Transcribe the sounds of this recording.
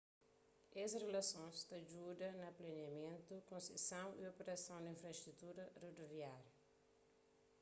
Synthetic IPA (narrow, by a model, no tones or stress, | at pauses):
esrelɐsõst̪ɐd͡ʒud̪ɐnɐplɐniɐmẽnt̪ukõnsḛsɐ̃w̃ḭopeɾɐsɐ̃w̃d̪ĩnfɾɐst̪ɾut̪uɾɐrod̪oviaɾjɐ